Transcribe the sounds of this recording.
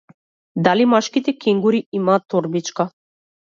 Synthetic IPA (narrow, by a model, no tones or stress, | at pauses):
d̪alimaʃkit̪ɛkɛŋɡuɾiimaːt̪ːɔɾbit͡ʃka